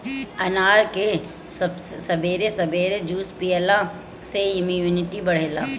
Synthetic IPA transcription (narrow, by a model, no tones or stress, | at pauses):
ɐnaːɾke | sɐbssɐbʱeːɾesɐbʱeːɾed͡ʒuːspiːela | seɪmujuːnɪʈibɐɽ̤eːlaː